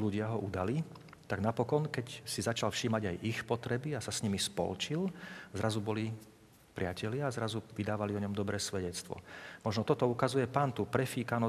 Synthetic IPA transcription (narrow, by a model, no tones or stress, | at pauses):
luɟɪaɦɔʔud̪ali | t̪aɡnapɔkɔnkɛcsizat͡ʃalfʃiːmaɟajʔixpɔt̪ɾɛbiasasɲimispɔ̰lt͡ʃilzɾazubɔli | pɾɪacɛlɪaːzɾazuʋid̪aːʋaliɔɲɔmd̪ɔbɾɛːsʋɛɟɛt͡st̪ʋɔ̰mɔʒnɔt̪ɔt̪ɔukazujɛpaːnt̪uːpɾɛfiːkanɔ